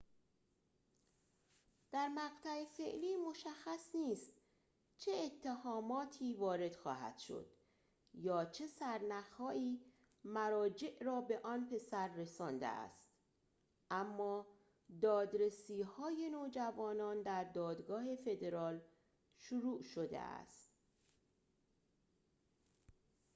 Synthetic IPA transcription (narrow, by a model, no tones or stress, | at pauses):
d̪̥æɾmæɣt̪ʰæefe̞ʔliːmo̞ʃæxːæsniːst̪ | t͡ʃʰeːt̪ʰːehɒːmɒːt̪ʰiːvɒːɾe̞d̪̥xɒ̰ːɦæ̰d̪̥ʃo̞̰d̪̥ | jɒːt͡ʃʰe̞sæɾnæxhɒːʔiː | mæɾɒːd͡ʒe̞ʔɾɒːbe̞ʔɒːnpʰe̞sæɾːe̞sɒːnd̪ḛʔæ̰st̪ | ʔæmːɒː | d̪ɒːd̪ɾesiːhɒːje̞noːd͡ʒævɒːnɒːnd̪æɾd̪ɒːd̪ɡɒːhe̞fe̞d̪e̞ɾɒːl | ʃuɾuːʔʃod̪ḛæ̰st̪